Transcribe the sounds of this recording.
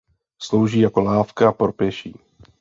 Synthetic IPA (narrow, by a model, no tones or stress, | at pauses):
slo̞wʒiːjako̞laːfkaapɾopjɛʃiː